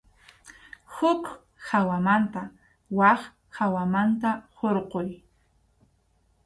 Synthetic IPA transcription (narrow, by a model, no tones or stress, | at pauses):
hʊk | hawamant̪a | wɑχ | hawamant̪ahoɾqoj